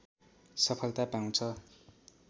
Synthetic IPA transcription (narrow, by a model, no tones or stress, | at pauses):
sʌpʰʌlt̪apaw̃t͡sʰʌ